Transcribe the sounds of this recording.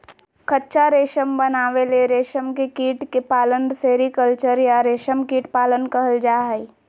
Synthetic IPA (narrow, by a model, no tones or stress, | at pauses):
kɐtːʃʰaɾeːʃəmbənaːʋeleɾeːʃəmkekiːʈkepaːlənseːɾikəlt͡ʃəɾjaɾeːʃəmkiːʈpaːlənkɐɦəld͡ʒaːɦɛi